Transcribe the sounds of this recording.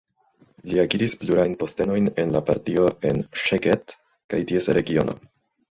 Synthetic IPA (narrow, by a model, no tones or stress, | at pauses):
liaɡiɾisbluɾajnpo̞ste̞no̞jne̞nlapa̰ɾtio̞e̞nʃeɡet | kajtie̞sɾe̞ɡio̞̰no̞̰